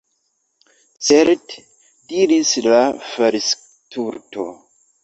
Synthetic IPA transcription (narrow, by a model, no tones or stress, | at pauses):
t͡seɾt | d̥iɾislafaɾis | tʰuɾto̰